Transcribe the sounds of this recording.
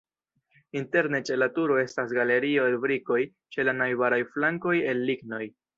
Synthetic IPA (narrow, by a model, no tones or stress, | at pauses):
inte̞ɾne̞t͡ʃe̞latuɾo̞e̞stasɡale̞ɾio̞bɾiko̞j | t͡ʃe̞lanajbaɾajflaŋko̞je̞lːiɡno̞j